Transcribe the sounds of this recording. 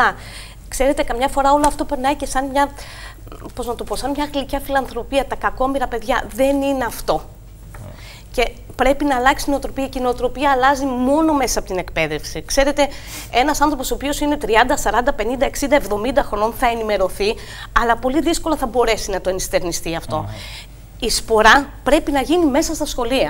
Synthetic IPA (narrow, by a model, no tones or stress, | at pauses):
ɐ | kse̞ɾe̞t̪e̞kɐmɲɐfo̞ɾɐoloɐft̪o̞pe̞ɾnɐice̞sɐnmɲɐ | po̞znɐt̪opo̞sɐnmɲɐɣlicɐfilɐnθɾo̞piɐt̪ɐkɐko̞miɾɐpe̞ðʝɐðe̞nine̞ɐft̪o̞ | ce̞ | pɾe̞pinɐːlɐksi̥inot̪ɾo̞piɐceinet̪ɾo̞piɐːlɐzimo̞no̞me̞sɐɐpo̞t̪inekpe̞ðe̞fsikse̞ɾe̞t̪e̞ | e̞nɐsɐnθɾo̞posopio̞sine̞t̪ɾiɐnd̪ɐsɐɾɐnd̪ɐpe̞nind̪ɐe̞ksind̪ɐevðo̞mind̪ɐxɾo̞no̞nθɐenime̞ɾo̞θi | ɐlɐpo̞liðisko̞lɐθɐbo̞ɾe̞sinɐt̪o̞enist̪e̞ɾnist̪iɐft̪o̞ | ispo̞ɾɐpɾe̞pinɐʝinime̞sɐst̪ɐsxo̞liɐ